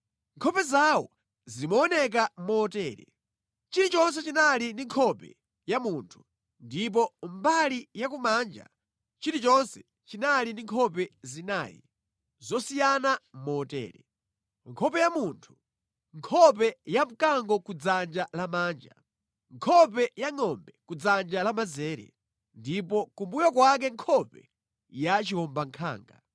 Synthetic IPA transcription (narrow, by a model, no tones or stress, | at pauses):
ŋkʰɔpɛzawɔ | zimɔːnɛk̬amɔːtɛːɾɛ̰ | t͡ʃiɾit͡ʃɔns̬ɛt͡ʃinaliniŋkʰɔpɛ̰ | jamuːntʰu̥ | ndip̬ɔmbalijak̬umaːnd͡ʒa̰ | t͡ʃiɾit͡ʃɔnsɛ̥ | t͡ʃinaliniŋkʰɔp̬ɛzina̰ːjḭ | zɔsijanamɔtɛ̰ːɾɛ̰ | ŋkʰɔpɛjamuntʰu̥ | ŋkʰɔp̬ɛjam̩kaŋɡɔkud͡zand͡ʒalamaːnd͡ʒa̰ | ŋkʰɔp̬ɛjaŋɔmbɛkud͡zand͡ʒalamazɛːɾɛ̰ | ndipɔkumbujɔkwak̬ɛŋkʰɔpɛ | jat͡ʃihɔmbaŋkʰa̰ːŋɡa